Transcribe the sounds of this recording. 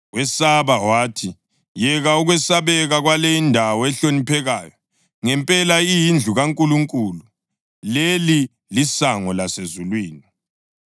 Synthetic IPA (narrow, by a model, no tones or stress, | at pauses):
wɛsaβawaːtʰi | jɛɣauɣwɛsaβɛɣaɣwalejindʱawɔɛɬonipʰɛɣaːjɔ | ŋɛmpʼɛlaijind͡ɮʱuɣaŋkʼuluŋkʼulu | leli | lisaŋɔlasezulwiːni